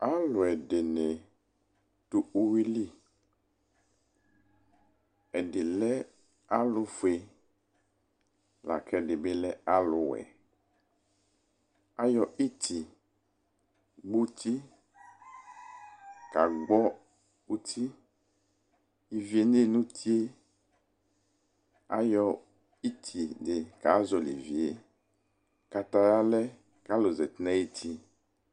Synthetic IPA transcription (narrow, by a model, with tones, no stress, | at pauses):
a˦lʊ˨ɛ˨ɖe˨nɛ˨ | to˨o˦wi˦li˦ | ɛ˨ɖɪ˨lɛ˦ | a˦lʊ˨fe˨ | la̰˨kʰɛ˦ɖɪ˨be˦lɛ˦a˦lʊ˨wɛ̰˨ | a˦jɔ˨i˦t̪ʰi˨ | ɡ͡bu˦t̪ʰi˦ | ka˨ɡ͡bɔ˦ | u˦t̪ʰi˦ | i˨vi˨˦e˨ne˦˨nũ˦t̪ʰi˦e˦ | a̰˦jɔ˦ | i˦t̪ʰi˨de˨ka˨˦zɔ˨li˨vi˨e˦ | ka˨t̪a˨ja˦lɛ˦ | ka˦lo˨zɛ˨t̪nɛ̃˦e˦t̪ʰi˦